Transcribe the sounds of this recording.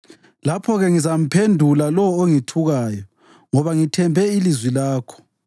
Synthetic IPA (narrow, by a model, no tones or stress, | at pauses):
lapʰɔɣɛŋizam̩pʰendʱulalɔoŋitʰuɣaːjɔ | ŋɔβaŋitʰɛmbʱɛilizwilaːkʰɔ̥